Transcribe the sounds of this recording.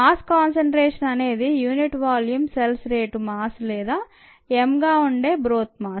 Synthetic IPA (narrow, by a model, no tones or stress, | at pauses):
maːskaːnsɐɳʈɾeːʂɐnɐne̞ːd̪ijuːniʈʋaːljumselsɾeːʈumaːslɛːd̪aː | emɡaːuɳɖeːbɾoːt̪̚maː